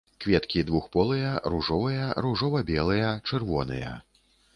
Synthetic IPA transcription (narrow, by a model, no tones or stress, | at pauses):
kvʲɛt̪kʲid̪vuxpɔlˠɨjɐɾuʐɔvɨjɐɾuʐɔvɐbʲɛlˠɨjɐt͡ʂɛrvɔnɨ̰jɐ̰